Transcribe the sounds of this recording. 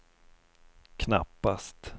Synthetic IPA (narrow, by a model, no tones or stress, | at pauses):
kʰna̰pːast̪